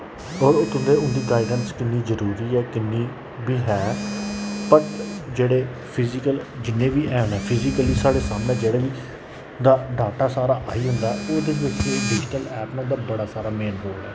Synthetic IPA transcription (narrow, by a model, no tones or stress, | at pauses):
ɔːɾʊt̪ʰʊnd̪eːʊnd̪iːɡaːɪɖənskɪnːiːzəɾuːɾiːɛːkɪnːiː | biːɦɛː | pəʈd͡ʒeːɽeː | pʰɪzɪkəld͡ʒɪnːẽːbiːʔɛːɦʊnɛːpʰɪzɪkəliːsaːɽeːsaːmnẽːd͡ʒeːɽaːʋiː | d̪aːɖaːʈaːsaːɾaːʔaːiːɦʊnd̪aːɦɛʔoːd̪eːʋɪt͡ʃɖɪd͡ʒɪʈəlɛːpnãːd̪aːbəɽaːsaːɾaːmeːnɦoːlɛː